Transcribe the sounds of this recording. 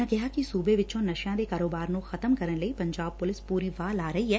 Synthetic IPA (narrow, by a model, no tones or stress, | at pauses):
ãkɐɦakisuːbeʋɪt͡ʃõnɐʃjãːd̪ekaːɾoːbaːɾnõxɐt̪əmkɐɾənlɐipɐ̃ɲd͡ʒaːb̚pʊlɪspuːɾiʋaːlaːɾɐɦiɦɛː